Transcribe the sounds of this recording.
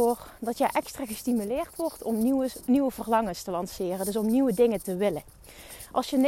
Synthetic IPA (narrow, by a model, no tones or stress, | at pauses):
oːrdɑtjəʔɛkstraːɣəstimylɪːrtʋɔɹtʰɔmniʋəvərlɑŋəstəlɑnsɪːrəndɵsɔmniʋədɪŋətəʋɪlə | ʔɑ̰lˠsjən